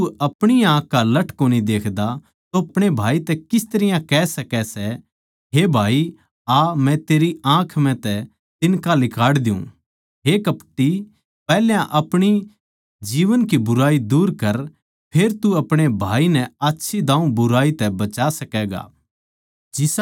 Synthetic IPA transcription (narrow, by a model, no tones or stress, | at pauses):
tuɐpɽ̃iãːkːalɐʈʰkoːnid̪eːkʰd̪a | t̪oɐpɽ̃ebʱaːit̪ɛkɪst̪ɐəɾɪjãkɛːsɐkɛsɛ | ɦebʱaːi | amɛ̃t̪eːɾiãːkʰmɛ̃t̪ɛ | t̪ɪnkalɪkʰaːɽd̪ɪṵ̃ː | ɦekɐpʈi | pɛːljãʔɐpɽ̃i | d͡ʒiːʋənkibʊɾaːid̪uːɾkɐɾ | pʰeːɾt̪uɐpɽ̃ebʱaːinɛatːʃʰid̪ãːũbʊɾaːit̪ɛbɐt͡ʃasɐkɛːɡa̰ː | d͡ʒɪs